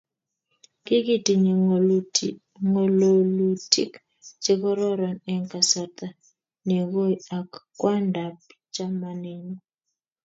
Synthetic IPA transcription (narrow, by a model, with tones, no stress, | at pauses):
kɪ˦ɡɪ˦ti˨ɲe˨ | ŋo˨lo˨lu˨ti˦k | t͡ʃɪ˦kɔ˦ɾɔ˦ɾɔ˨nɛ˦ŋka˨sa˨t̪a˨ | ne˨ɡo˦ja˨kː | wa˦nda˨p̚ | t͡ʃa˦ma˨nɪ˨nɔ˦